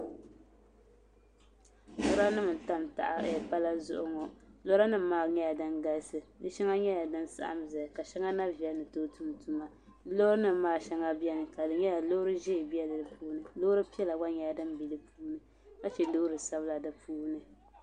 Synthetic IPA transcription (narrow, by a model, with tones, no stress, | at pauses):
lɔ˦ɾa˦nɨ˦m̩˨ta˦m˨ta̰˨ʔa̰˨ɛ˨pa˦la˦zʊ̰˦ʔʊ˦ŋɔ˨lɔ˦ɾa˦nɨ˦m̩ː˦aː˦˨ɲɛ˦ja˨dɨ˦nɡa˦lsɨ˨dɨ˦ʃɛ˦ŋa˦ɲɛ˦ja˨dɨ˦nsa̰˦ʔa̰˦mza˨ka˨ʃɛ˦ŋa˦na˦vi˨ɛ˦lnɨ˨to˦tu˦m˨tu˦ma˦ | lo˦ɾnɨ˦mː˦aː˦ʃɛ˦ŋa˦bi˦ɛ˦nɨ˨ka˨dɨ˨ɲɛ˦ja˨lo˦ɾɨ˦ʒɛ˦˨bi˦ɛ˦lɨ˨dɨ˨pʰuː˦nɨ˨loː˦ɾɨ˦pi˦ɛ˦la˨ɡa˦ɲɛ˨ja˨dɨ˦m˦bi˨lɨ˦pʰuː˦nɨ˨ | ka˦t͡ʃɛ˨do˦ɾɨ˨sa˦bɨ˦la˨dɨ˨pʰuː˦nɨ˨